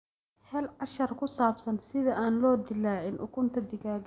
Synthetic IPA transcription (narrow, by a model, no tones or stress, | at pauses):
hɛːlʕɑʃɐrkʰʊsaːbsɐnsɪðɐʔaːnlɔːd̪ɪlaːʕɪnʔʊ̰kʰʊnt̪ʰɐd̪ɪɣaːɣ